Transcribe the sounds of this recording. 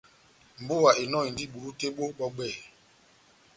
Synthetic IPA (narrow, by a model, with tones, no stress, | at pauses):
m̩˨bo˦˨wa˨ʔe˨nɔ˦˨i˨ndi˦˨ɓu˨ɾu˦te˦ɓo˦ɓɔ˦ɡ͡bɛ˦˨